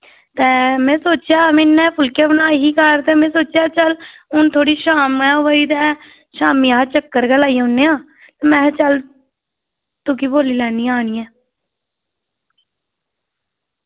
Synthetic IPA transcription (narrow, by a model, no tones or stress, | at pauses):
t̪ɛːmɛ̃ːsoːt͡ʃjaːmɪnːɛːpʰʊlkeːbənaːɦiːkəɾt̪ɛːmɛ̃ːsoːt͡ʃjaːt͡ʃəl | ʊnt̪ʰoːɽiːʃaːmɛːoʋəiːt̪ɛː | ʃaːmiːat͡ʃəkːəɾɡəlaːiːʊnːeːãː | t̪ɛːmɛ̃ːt͡ʃəl | t̪ʊkiboːliːlɛːniːaːñiːɛː